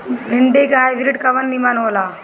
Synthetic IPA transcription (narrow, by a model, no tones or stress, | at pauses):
ɦiɳɖekɦajʋiɾiʈkaʋənːimanoʋla